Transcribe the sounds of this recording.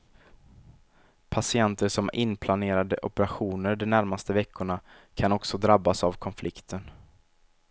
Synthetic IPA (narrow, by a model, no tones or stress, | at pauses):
pʰasɪɛnt̪əʂɔmʔɪ̰npʰlaneːɾad̪əʔɔ̰pəɾaɧuːnəɖɔnæɾmast̪əvɛkʰːʊɳa | kʰanɔksɔd̪ɾabːasavkʰɔnflʔɪkt̪ʰən